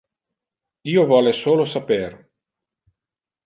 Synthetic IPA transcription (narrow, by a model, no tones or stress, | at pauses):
iːovɔlesoːlosaper